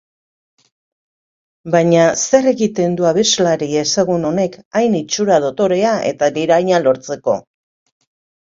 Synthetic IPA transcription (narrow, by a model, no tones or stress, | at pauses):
baɲase̞re̞ɣit̪e̞nd̪uaβe̞zlaɾiesaɣuno̞ne̞kajnit͡ʃuɾað̞o̞t̪o̞ɾe̞aʔe̞̰t̪ad̪iɾajɲalo̞ɾt͡se̞ko̞̰